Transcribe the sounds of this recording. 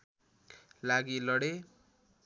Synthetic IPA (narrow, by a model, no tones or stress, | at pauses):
laɡilʌɽe